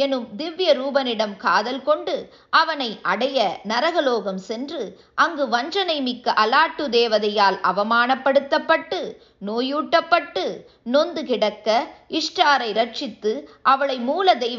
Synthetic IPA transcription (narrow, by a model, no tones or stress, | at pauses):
ɛnɯmd̪ɪʋjɐɾuːbɐnɪɽɐmkaːðɐlkɔɳɖɯ | ʔɐʋɐnɐɪʔɐɽɐjɐnɐɾɐɣɐloːɣɐmsɛndrɯ | ʔɐŋɡɯʋɐnd͡ʒɐnɐɪmɪkːɐʔɐlaːʈːɯd̪eːʋɐðɐjaːlɐʋɐmaːnɐpːɐɽɯt̪ːɐpːɐʈːɯ | noːjuːʈːɐpːɐʈːɯ | nɔnd̪ɯkɪɽɐkːɐɪʂʈɾaːɾɐɪɾɐʈ̚t͡ʃɪt̪ːɯʔɐʋɐɭɐɪmuːlɐd̪ɛɪ